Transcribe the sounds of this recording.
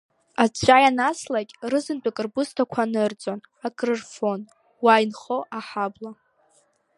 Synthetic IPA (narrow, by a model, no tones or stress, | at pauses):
at͡sʷʰʼajanaslakʲʼrɨzɨnt͡pʼakʼɨrbustʰakʷʰanɨrd͡zʼon | akʼrɨrfon | wajnχoʔaħabla